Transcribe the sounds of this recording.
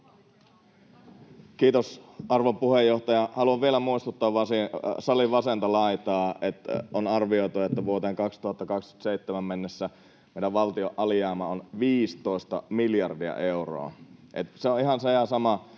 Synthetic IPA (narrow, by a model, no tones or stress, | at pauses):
kiːt̪osʔɑrʋopuhejːoht̪ɑjɑhɑluɑʋʋielæmuist̪ut̪ːɑːʋʋɑsisɑliʋɑsent̪ɑlɑit̪ɑːet̪onɑrʋioit̪uɑet̪ːæʋuot̪eːŋkɑkst̪uhɑt̪ːɑkɑksky̥t̪seit̪ːemæmmenːesːæ | meiɾæʋʋɑlt̪ioʔʔɑlijɑːmɑonʋiːst̪oist̪ɑmiljɑrdiɑ̰ʔeuro̰ːʔḛt̪seõiɦɑnsejɑsɑmɑ